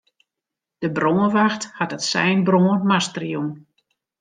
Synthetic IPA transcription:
d̥əbroːəʋaxthatətsɛ̰jnbroːənmastrjun

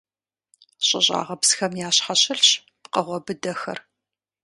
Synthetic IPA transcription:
ɕʼɪ̰ɕʼa̰ːʁɐpsxɐmjaːɕħaɕɪɬɕ | pqɐʁʷɔbɨdɐxɐ̰r

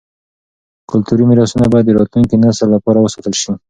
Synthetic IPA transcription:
kʊlt̪uɾimiɾɑsunabɑjad̪ːəɾɑt̪luŋkenasəlːapɑɾawəsɑt̪əlʃi

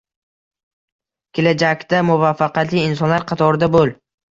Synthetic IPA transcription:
kʲʰelad͡ʒakʲt̪amʊvafːɑqɑt̪lɪːns̬ɒnlaɾqʰɑt̪ʰɒɾɪd̪abolˠ

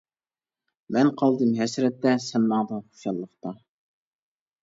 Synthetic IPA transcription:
mɛnqʰɑlˠd̪ɨmɦɛsɾɛt̪ːɛsɛnmɑŋd̪ɑχo̥ʃjɑlˠːəχt̪ɑ

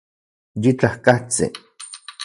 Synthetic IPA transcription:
jit͡ɬahkaht͡sḭ

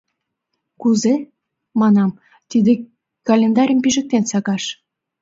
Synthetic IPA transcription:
kuze | mɑnɑm | t̪id̪e | kɑlʲend̪ɑɾʲəmpiʒə̆k̚t̪ensɑɣɑʃ

